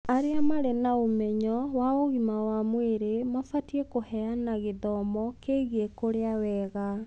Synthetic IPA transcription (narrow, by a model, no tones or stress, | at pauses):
aɾeamaɾenaomɛɲɔwaoɣimawamweɾemafatiɛkohɛanaɣeðɔmɔkeɣekoɾeawɛɣa